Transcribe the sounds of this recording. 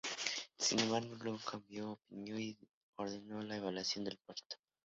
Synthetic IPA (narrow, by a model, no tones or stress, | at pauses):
sinemaɾɡlokambjoːpinjoi | oɾðenolaeβ̞alwasjo̞nd̪elpweɾt̪o̥